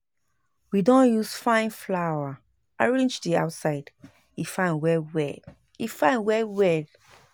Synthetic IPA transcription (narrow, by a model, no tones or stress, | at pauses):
widɔ̃njusfãɪ̃nflawa | aɹẽnd͡ʒdia̰ʊtsaɪd | ifãɪ̃nwɛwɛd | ifãɪ̃nwɛwɛd